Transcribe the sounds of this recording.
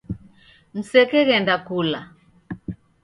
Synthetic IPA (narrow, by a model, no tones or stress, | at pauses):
m̩sɛkɛɣɛndakula